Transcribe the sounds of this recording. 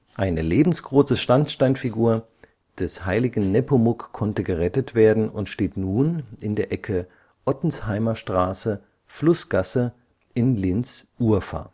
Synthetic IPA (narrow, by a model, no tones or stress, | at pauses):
ʔaɪnəleːbm̩sɡ̥ʁoːsəʃtant͡sʃtaɪnfiɡuːɐ | d̥ɛshaɪlɪɡn̩nɛpomʊkʰːɔntəɡəʁɛtətv̥eːɐdn̩ʊntʃteːtnuːnʔɪndeːɐʔɛkʰə | ʔɔtn̩shaɪmɐʃtʁ̥aːsə | flʊsɡ̥asə | ɪnlɪnt͡sʔuːɐfa̰ː